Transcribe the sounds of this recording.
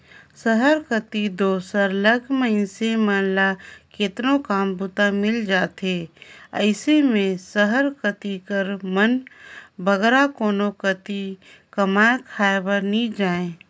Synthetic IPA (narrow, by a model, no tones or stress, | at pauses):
səɦəɾkət̪id̪oːsəɾləɡməɪnsemənlaket̪nokaːmbʊt̪amɪld͡ʒaːt̪eə̰ɪsemẽsəɦəɾkət̪ikəɾmənbʱəɡɾakoːnokət̪i | kəmakʰaːebəɾnid͡ʒaːẽ